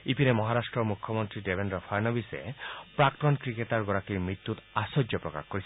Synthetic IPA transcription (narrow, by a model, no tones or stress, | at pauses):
ipiɾemɔɦaɾasʈɾɔmukʰːɔmɔnt̪ɾiɖebʱendɾɔpʰaɾnɔbisḛpɾakʈɔnkɾiket̪aɾɡɔɾakimɾit̪ːut̪asɔd͡ʒjɔpɾɔka̰xkɔɾisʰi